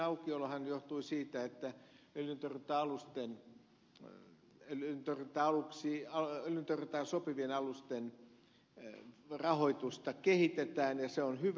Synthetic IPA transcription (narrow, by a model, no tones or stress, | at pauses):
ɑukiolːhɑnjoht̪uisiːt̪æet̪ːæølynt̪orit̪ːɑːɑlust̪en | elynt̪orit̪ːɑɑluksiɑeljynt̪ørit̪ɑːsopiʋienɑlust̪en | rɑhoit̪ust̪ɑkehit̪et̪æːnjɑseonhyʋ